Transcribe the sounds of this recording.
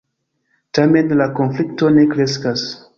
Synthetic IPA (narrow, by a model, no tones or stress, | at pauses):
tame̞nlakonflikto̞ne̞kɾe̞skas